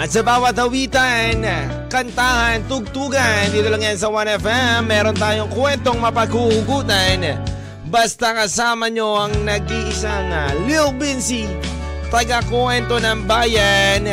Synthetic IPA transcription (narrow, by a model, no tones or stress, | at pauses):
ʔɐt̪̚sɐbaːwɐt̪̚hɐwit̪an | kɐnt̪ahant̪ʊɡ̚t̪uːɡand̪iːt̪olaŋjans̬ɐwanɛfɛmːɛɾont̪aːjoŋkwɛnt̪oŋmɐpɐɡuʔuɡuːt̪an | bast̪akɐsaːmɐɲoɐŋnɐɡiʔɪsaŋɐliwbinsi | t̪ɐɡakwɛnt̪onɐŋbaːjan